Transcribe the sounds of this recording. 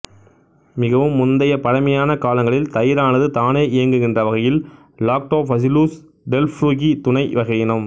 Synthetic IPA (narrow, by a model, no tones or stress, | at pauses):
mɪɣɐʋɯmːʊnd̪ɐjɐpɐɽɐmɐjaːnɐkaːlɐŋɡɐɭɪlt̪ɐjɪɾaːnɐðɯt̪aːneːʔɪjɐŋɡɯɣɪndrɐʋɐɣɐjɪl | laːk̚ʈoːfɐs̬ɪluːs | ɖɛlfɾuːɣit̪ʊɳɐɪʋɐɣɐjɪnɯm